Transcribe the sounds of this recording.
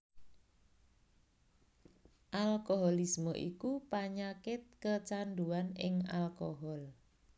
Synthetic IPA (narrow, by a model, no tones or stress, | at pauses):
ʔalkoɦɔlismɔʔḭkupaɲakɪt̪̚kət͡ʃanɖuanɪŋa̰lkoɦɔl